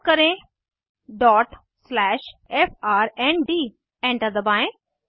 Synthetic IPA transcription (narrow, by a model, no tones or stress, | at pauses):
kəɾẽ | ɖɔːʈ | slɛʃefʰaːɾɛ̃nɖiː | ɛ̃ɳʈəɾd̪əbãːj̃